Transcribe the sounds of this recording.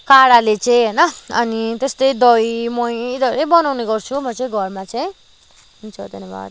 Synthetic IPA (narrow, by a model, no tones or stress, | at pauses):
kaɽalet͡sʌ̃j̃ɦʌjnʌʌ̰nit̪est̪ʌjd̪ʌjmʌjid̪ʌeɾejbʌnawneɡʌrt͡sʰumʌt͡sʌĩɡʱʌrmat͡sʌĩ | ɦunt͡sʰʌd̪ʌneba̰d